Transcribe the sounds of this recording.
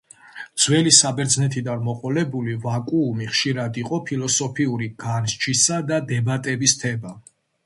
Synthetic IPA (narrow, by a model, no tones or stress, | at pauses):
d̪z̥wɛlisabɛɾd̪znɛt̪ʰid̪anmɔqʼɔlɛbulivakʼuːmiχʃiɾad̪iqʼɔpʰilɔsɔpʰiuɾiɡ̥anʃt͡ʃʰisad̪ad̪ɛbat̪ʼɛbist̪ʰɛba